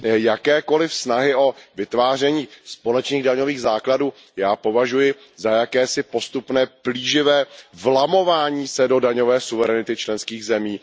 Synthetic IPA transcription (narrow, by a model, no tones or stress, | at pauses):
jakɛːko̞lɪfsnaɦɪʔo̞vɪt̪vaːr̝ɛɲiːspo̞lɛt͡ʃniːɣdaɲo̞viːɣzaːkladuː | jaːpo̞vaʒujɪ | zajakɛːsɪpo̞st̪upnɛːb̥liːʒɪvɛːvlamo̞vaːɲiːsɛdo̞daɲo̞vɛːsuvɛɾɛnɪt̪ɪt͡ʃlɛnskiːɣzɛmiː